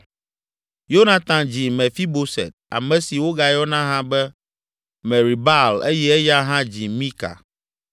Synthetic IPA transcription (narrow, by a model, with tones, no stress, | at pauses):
jo˦nã˨t̪ã˨d͡ʑi˨mɛ̃˨fi˦bo˦sɛ̰˨t̪̚a̰˨mɛ̃˨si˨wo˦ɡa˨jɔ˦nã˦ɦã˦bɛ˦ | mɛ̃˨ɾi˨ba˦˨le˦jɛ˦ɛ˦ja˦ɦã˦d͡ʑi˨mĩ˦ka̰˨